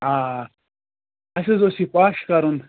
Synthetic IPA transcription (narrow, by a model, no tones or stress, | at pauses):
aː | ɐsezosipaːʂkaɾun